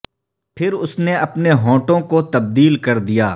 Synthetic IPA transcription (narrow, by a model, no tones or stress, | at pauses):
pʰɪɾʊsneɐpneɦõːʈõkot̪ɐb̚d̪iːlkɐɾd̪ijaː